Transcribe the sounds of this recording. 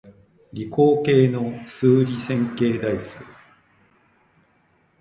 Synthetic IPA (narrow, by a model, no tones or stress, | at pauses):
ɾʲiko̞ːke̞ːno̞sɨːɾʲisẽ̞ŋke̞ːd̪aisɨ